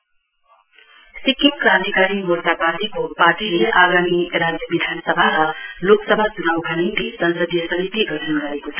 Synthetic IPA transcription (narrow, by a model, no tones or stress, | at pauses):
sikimkɾãnt̪ikaɾimort̪apad̪ikopaʈʰileʔaɡamiɾad͡zjʌbid̪ʱansʌbʱaɾʌloksʌbʱat͡sunawɡʱaninlisʌnsʌd̪ʱijʌsʌnit̪iɡʌɾʰənɡʌɾekot͡sʰʌ